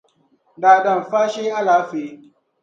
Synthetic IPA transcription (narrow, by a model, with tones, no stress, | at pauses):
daː˨ɗɐ˨mɸaː˦ʃeː˦ʔa˦laː˨˦ɸeː˨˦